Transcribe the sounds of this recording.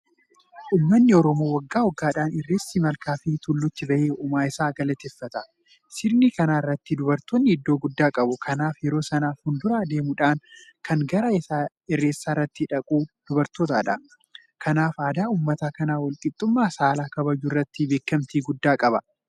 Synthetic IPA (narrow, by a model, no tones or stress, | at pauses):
ʔuːmːɐnːɪɔɾɔmoːwɐɡːaːɔɡːaːᶑaːnɪrːeːsːɪmɐlkaːfɪt̪ʊlːʊt͡ʃ̪ːɪbɐʔeːuːmaːɪsaːɡɐlɐt̪ɛfːɐt̪ɐ | sɪɾnikɐnaːɪrːɐt̪ːɪd̪ʊbɐɾt̪onːɪɪd̪ːo̞ːɡʊd̪ːaːkʼɐbʊkʰɐnaːfjɛɾo̞ːsɐnaːfhʊnd̪ʊɾaːd̪e̞ːmʊᶑaːnkʰɐŋɡɐɾɐɪsaː | ɛrːe̞ːsːaːrːɐt̪ːɪᶑɐkʼuːd̪̥ʊbɐɾt̪oːt̪a̰ːᶑɐ | kʰɐnaːfaːd̪aːuːmːɐt̪aːkɐnaːwɐlkʼɪt̪ʼːʊmːaːsaːlaːkɐbɐd͡ʒʊɪrːɐt̪ːɪbeːkːɐmt̪iːɡʊd̪ːaːkʼɐbɐ